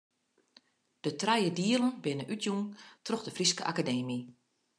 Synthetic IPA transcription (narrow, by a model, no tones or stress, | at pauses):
d̥ətrajədiəlˠənbɪnənʔytʰjuntrɔxdəfriskə̰ʔakadeːmi